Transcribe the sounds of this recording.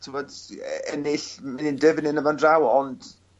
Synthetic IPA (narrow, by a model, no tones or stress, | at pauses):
tʰɪvɔdɛnɪɬmɛðindəvnɪnəvandrawɔnd̥